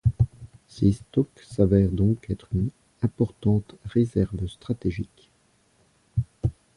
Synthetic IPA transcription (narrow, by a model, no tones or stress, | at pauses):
sest̪ɔk | savɛʁd̪ɔ̃kɛt̪χyn | ɛ̃pɔʁt̪ɑ̃t̪ʁezɛʁvst̪χat̪eʒik